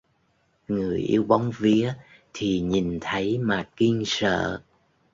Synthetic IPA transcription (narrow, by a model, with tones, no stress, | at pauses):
ŋɨ˨˩əjʔḭ˧əwɓa˨˦wŋ͡mvi˨˦ə | t̪ʰi˨˩ɲi˨˩nt̪ʰə˨˦jmaː˨˩ki˧əŋsə̰ː˧˨